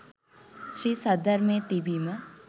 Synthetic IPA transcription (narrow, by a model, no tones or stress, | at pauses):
ʃɾiːsɐd̪əɾmẽt̪ibimə